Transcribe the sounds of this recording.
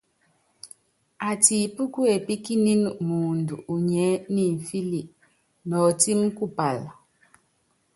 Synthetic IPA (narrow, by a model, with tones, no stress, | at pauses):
a˨ti˨pu˦ku˦e˨pi˦ki˦ni˦nu˨ʔmu˨ndu˨ʔu˨ɲɛ˨˦ni˦˨ɱ̩˨fi˦li˨ʔ | nɔː˨ti˦mku˦˨pa˨l